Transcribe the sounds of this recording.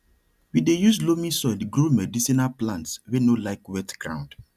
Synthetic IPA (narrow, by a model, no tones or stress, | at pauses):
widejuzlomĩsɔdɡɾomɛdisinalplãntswenolaɪkwɛtɡ̥ɹã̰ʊ̃nd